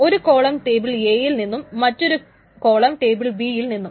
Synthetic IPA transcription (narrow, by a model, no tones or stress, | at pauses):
o̞ɾuko̞ːɭɐmʈe̞ːbiɭeːjilninːumːɐtːo̞ɾu | ko̞ːɭɐmʈe̞ːbiɭbiːjilninːum